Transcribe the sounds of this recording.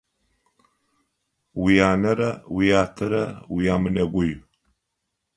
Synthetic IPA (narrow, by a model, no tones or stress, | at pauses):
wijaːnɐɾawijatʰəɾawijamənɐɡʷuju